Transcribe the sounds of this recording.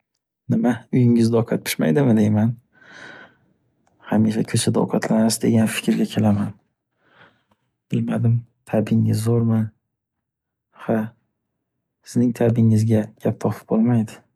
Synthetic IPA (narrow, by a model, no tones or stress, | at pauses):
nɪmaʊjɪŋɪzd̪ɒqʰat̪̚pʰɪ̥ʃma̰jd̪ɪmɪd̪e̞jman | hamiʃakʲʰɵt͡ʃʰad̪ɒ̰wqʰɑt̪ʰlanɪsd̪e̞ɡʲanfɪ̥kʲʰɾɡʲakʲʰe̞laman | b̥ɪlmad̪ɪmt̪ʰabɪŋɪzːoɾman | ha | sɪznɪŋt̪ʰabɪŋɪzɡʲaɡ̥ʲap̚t̪ʰɒpʰɪ̥p̚bolˠmajd̪ɪ